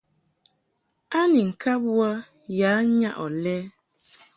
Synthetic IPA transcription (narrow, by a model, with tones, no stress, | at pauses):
a˦ni˨ŋ̩˨kʰa˦bwa˦ | jaː˨˦ɲa˦ʔɔ˨lɛ˦